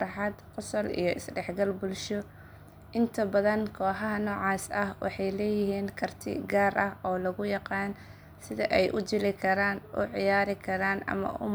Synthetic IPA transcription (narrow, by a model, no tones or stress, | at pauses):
ħɑd̪qʊsɔlḭjɔʔɪ̰sɖɛħɡɐlbʊlʃɔ | ʔɪnt̪ʰɐbɐðɐnkʰɔːħɐɦɐnɔːʕɑːsɐhwɑ̰ħɑjlɛːjɪɦiːnkʰɐrt̪ʰɪ̰ɡaːɾʔɐhɔːlɐɣʊjɑqɑːn | sɪðɐ̰ʔɛjʔʊd͡ʒɪlɪkʰɐɾaːnʊ̰ʕɪjaːɾɪkʰɐɾaːnʔɐ̰mɐ̰ʔʊ̰m